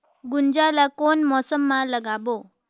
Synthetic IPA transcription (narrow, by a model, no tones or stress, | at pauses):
ɡund͡ʑalakonmɔsəmːaləɡabo